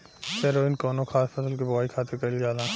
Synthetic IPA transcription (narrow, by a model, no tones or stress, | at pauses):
sɐɾoːɪnkɔːnokʰxʰaːspʰɐsəlkebɐwaːikʰaːt̪ʰekɐljaːlãː